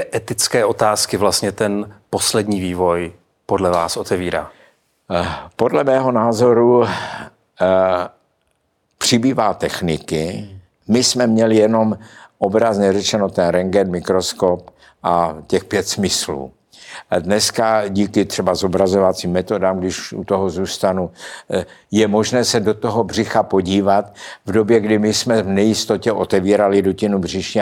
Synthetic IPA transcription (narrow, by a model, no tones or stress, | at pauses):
ɛʔɛt̪ɪt͡skɛːo̞t̪aːskɪvlast̪ɲɛt̪ɛnposlɛdɲiːviːvo̞j | podlɛvaːsʔot̪ɛviːɾa̰ː | po̞dlɛmɛːɦo̞naːzo̞ɾu | pr̝̥ɪbiːvaːt̪ɛxnɪkɪ | mɪsmɛmɲɛlɪjɛno̞mʔobɾazɲɛrɛt͡ʃɛno̞t̪ɛnɾɛŋɡɛnmɪkɾo̞skop | ʔacɛxpjɛt̪smɪslṵː | dnɛskaɟiːkɪt̪r̥ɛbazobɾazovat͡siːmːɛt̪o̞daːmɡdɪʃʔṵt̪oɦozuːst̪anu | jɛmo̞ʒnɛːsɛdo̞t̪o̞ɦobr̝ɪxapo̞ɟiːvat̪vdo̞bjɛɡdɪmɪsmɛvnɛjɪst̪o̞cɛʔo̞t̪ɛviːɾalɪɾucɪnubrɪʃɲɛ